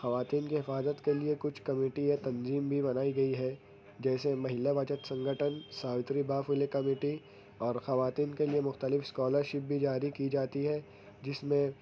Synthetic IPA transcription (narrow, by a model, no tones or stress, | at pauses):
xɐʋaːt̪iːnkiɦɪfaːzət̪keliekʊt͡ʃʰkɐmeːʈiet̪ɐnziːmbʱibɐnaːiɡɐiɦɛː | d͡ʒɛːsemɐɦɪlabət͡ʃət̪sɐ̃ŋɡʱəʈʰənsaːʋɪt̪ɾibaːfʊlekɐmeːʈi | ɔːɾxɐʋaːt̪iːnkeliemʊxt̪əlɪfskɔːləɾʃɪp̚bʱid͡ʒaːɾikid͡ʒaːt̪iɦɛ | d͡ʒɪsmẽ